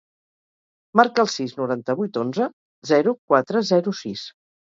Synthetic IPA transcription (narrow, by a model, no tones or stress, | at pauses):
maɾkəːlˠsiznuɾant̪əβ̞ujt̪onzə | zɛɾukwat̪ɾəzɛɾusis